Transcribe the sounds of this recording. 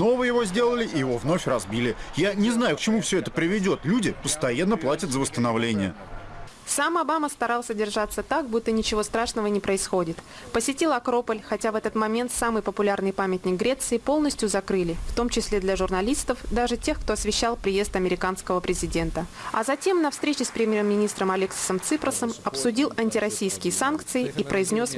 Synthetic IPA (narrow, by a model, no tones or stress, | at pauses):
no̞vəjɪvo̞zʲdʲe̞lˠəlʲɪʔɪjɪvo̞vno̞fʲrɐzbʲilʲɪjanʲɪznajʊkt͡ɕɪmufsʲɵɛt̪əpɾʲɪvʲɪdʲo̞t̪lʲudʲɪpəst̪ɐjanːəplˠatʲət̪zəvəst̪ənavlʲenʲɪjə̰ | samɐbaməst̪ɐɾalˠsʲədʲɪrʐat̪sːət̪ak̚but̪ːənʲɪt͡ɕɪvo̞st̪ɾaʂnəvənʲɪpɾəɪsxo̞dʲɪt̪ | pəsʲɪtʲilˠɐkɾo̞pəlʲxɐtʲavɛt̪ət̪mɐmʲe̞nt̪samɨjpəpʊlʲarnɨjpamʲɪtʲnʲɪk̚ɡɾʲe̞t̪sɨɪpo̞lˠnəsʲtʲjʊzɐkɾɨlʲɪft̪o̞mt͡ɕɪsʲlʲe̞d̪lʲɐʐʊrnɐlʲist̪əfd̪aʐɨtʲe̞xkt̪oɐsvʲɪɕːalˠpɾʲɪje̞st̪ɐmʲɪɾʲɪkanskəvəpɾʲɪzʲɪdʲe̞nt̪əɐ̰zɐtʲe̞mnɐfst̪ɾʲet͡ɕɪspɾʲɪmʲjeɾəmʲːɪnʲist̪ɾəmɐlʲɪksəmt̪sɨpɾəsəmɐpsʊdʲilˠɐnʲtʲɪɾɐsʲijskʲɪjəsankt̪sɨɪipɾəɪzʲnʲo̞s